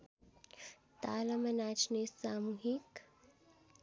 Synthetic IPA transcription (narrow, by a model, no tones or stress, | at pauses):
t̪aːlɐmɐnaːt͡ʃnesaːmuɦik